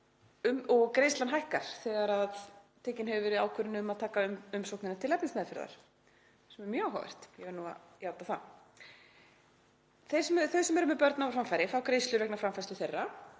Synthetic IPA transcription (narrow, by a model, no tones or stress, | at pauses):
ʏmɔɣkɾejslanɦajhkaɾ̥θɛɣaɾaðt̪ʰeːjcɪnɦɛvɪvɛːɾɪðaːwkʰʏɾɪnʏmaðt̪ʰaːkaʏmʏmsowhnɪnat̪ʰɪlɛpnɪsmɛːðfɪɾða̰ɾ̥ | sɛmɛɾmjœawɦa̰vɛ̰r̥t̪jɛvɛɾnua̰ | jaːwt̪aθa | θejsmθœɥsɛmɛɾʏmɛpœɾt̪navafɾamfajɾɪfawkɾeːjslʏɾɛknafɾamfajst̪ʏθejrːa